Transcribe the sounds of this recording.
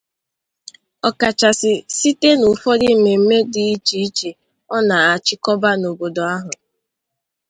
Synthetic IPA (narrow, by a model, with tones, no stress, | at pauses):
ɔ˨ka˨t͡ʃa˨sɪ˨si˦te˦nʊ˨fɔ˦di˦me˨m̩˦me˦dɪ˨i˦t͡ʃi˨˦t͡ʃe˨ | ɔ˦na˨a˨t͡ʃɪ˦kɔ˦ba˦no˨bo˨do˨a˦ɦʊ˨